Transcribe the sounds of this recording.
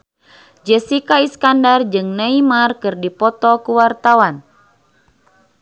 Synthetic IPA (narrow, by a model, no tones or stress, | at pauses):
d͡ʒəsikaiskandard͡ʒɨŋnaimarkɨrdipɔt̪ɔkuwart̪awan